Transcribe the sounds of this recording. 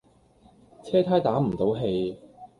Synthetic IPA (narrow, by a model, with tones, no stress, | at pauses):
t͡sʰɛː˥t̪ʰaː˥jt̪aː˨˥m̩˨˩t̪o˨˧wɦe˧j